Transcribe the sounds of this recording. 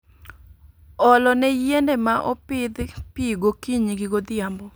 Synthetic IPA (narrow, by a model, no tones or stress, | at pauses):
ɔlɔnɛjendemaʔɔpɪd̪pɪɡokiɲiɡiɡod̪ɪambɔ